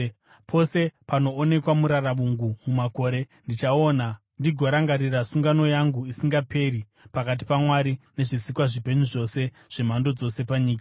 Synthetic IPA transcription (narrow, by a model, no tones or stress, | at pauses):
pʰo̞se̞pano̞ːne̞kwamuɾaramuŋɡumumako̞ːɾe̞ndit͡ʃao̞na | ndiɡʱo̞ɾaŋɡaɾirasuŋɡano̞jaŋɡuisiŋɡapʰe̞ɾi | pakat̬i̥pamwaɾine̞ʐisikwaʐipe̞ɲuʐo̞se̞ | ʐ̥e̞mando̞d͡zo̞se̞paɲiːk̬a